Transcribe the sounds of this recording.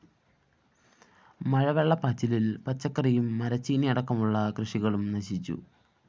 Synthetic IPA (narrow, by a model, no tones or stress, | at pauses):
mɐɻɐʋeɭːɐpɐt͡ɕːililpɐt͡ɕːɐkːɐrijumːɐɾɐt͡ɕːiːniɐɽɐkːɐmuɭːɐkrɨʂiɣɐɭumnɐɕit͡ɕːṵ